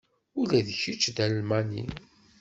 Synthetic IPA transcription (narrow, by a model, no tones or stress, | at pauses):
ulæðçit͡ʃːd̪ælːmænḭ